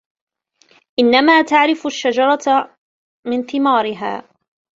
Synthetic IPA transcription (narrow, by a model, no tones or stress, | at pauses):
ʔɪnːamaːt̪aʕɾɪfʊʃːad͡ʒɑɾˤɑt̪ | mɪnθɪmaːɾɪɦa̰ː